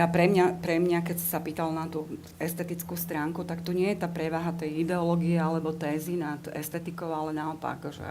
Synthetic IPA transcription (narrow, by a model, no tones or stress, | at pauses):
japɾɛmɲapɾɛmɲakɛcsi̥sapiːt̪alnat̪uː | ɛst̪ɛt̪it͡skuːst̪ɾaːŋkut̪akt̪uɲɪɛjɛt̪aːpɾɛʋaːɦat̪ɛjid̪ɛɔlɔɡiɛalɛbɔt̪ɛːzinat̪ɛ̰st̪ɛt̪ikɔʊalɛnaɔpa̰kʒɛ̰